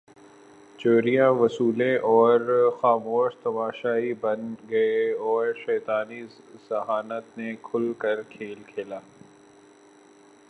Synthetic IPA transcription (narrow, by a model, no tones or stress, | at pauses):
t͡ʃoːɾijãʋɐsuːlẽʔɔːɾxaːmoːʃt̪ɐmaːʃaːɦibɐnɡɐeɔːɾʃɛːt̪aːni | sɐɦaːnət̪nekʰʊlkɐɾkʰeːlkʰeːlaː